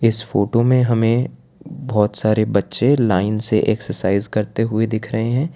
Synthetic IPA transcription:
ɪsfoːʈomẽɦɐmẽ | bɔːt̪saːɾebɐtːʃelaːɪnseʔɛːksəɾsaːɪzkɐɾt̪eɦʊed̪ɪkʰɾɐɦeɦɛ̃ː

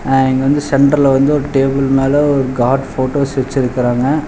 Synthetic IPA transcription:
ɛŋɡɐʋɐnd̪ɯsɛɳʈɐɾlʋɐnd̪ɯɔɾɯʈeːbɪlmeːlɐɔɾɯɡaːɖfoːʈoːsʋɛt͡ʃːɪɾɯkːɪɾaːŋɡɐ

